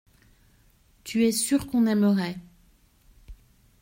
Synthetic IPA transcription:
t̪ʰyɛsyʁkɔ̃nɛməʁɛ

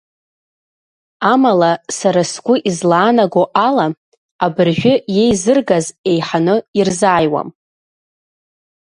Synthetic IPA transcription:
amalasaɾasɡʷʊʔizlaːnaɡʷoʔala | abɨrʒᶣʷʊje̞jzɨrɡaze̞jħanɨirzaːjwa̰m

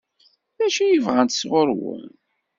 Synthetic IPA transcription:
ðæʃijəvʁænt̪sʁʊɾwə̰n

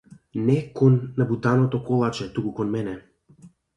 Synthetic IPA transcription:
nɛkɔnːabut̪anɔt̪ɔkɔlˠat͡ʃɛt̪ukukɔnmɛnɛ

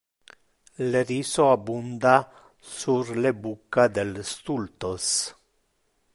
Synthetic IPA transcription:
lerisoabund̪a | suɾlebukːad̪elst̪ult̪os

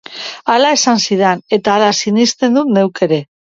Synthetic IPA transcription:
alae̞sansiðane̞t̪aːlasinist̪e̞nd̪ut̪ne̞wke̞ɾe̞

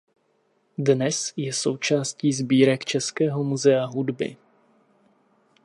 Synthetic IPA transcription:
dnɛsjɛso̞wt͡ʃaːsciːzbiːɾɛkt͡ʃɛskɛːɦo̞muzɛaɦudbɪ̰

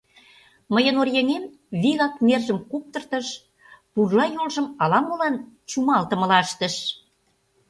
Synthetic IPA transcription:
məjənorjeŋem | βiɣɑk̚merʒə̆mkup̚t̪ə̆rt̪ə̆ʃ | purlɑjolʒə̆mɑlɑməlɑnt͡ɕumɑlt̪ə̆mə̆lɑəʃt̪ə̆ʃ

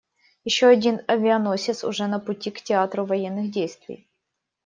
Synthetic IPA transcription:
jɪɕːoɐdʲinɐvʲɪɐnosʲɪsʊ̰ʐɛnəpʊtʲiktʲɪat̪ɾʊvɐjenːɨxdʲejst̪vʲɪ̰j

